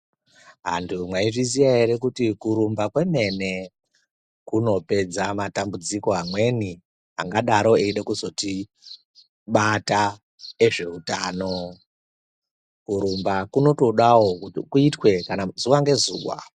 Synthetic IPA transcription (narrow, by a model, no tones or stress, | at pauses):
ɦa̰ndʰumwaiʐizijaɦeɾe̞kutikuɾumbakwe̞me̞ne̞ | kuno̞pe̞d͡zamatambud͡ziko̞ɦamwe̞ni | ɦaŋɡaɗaɾo̞eiɗekuzo̞ti | ɓata | eʐe̞utaːno̞ | kuɾumbakuno̞to̞ɗawo̞kuitwe̞kanazuwaŋɡe̞zṵːwa̰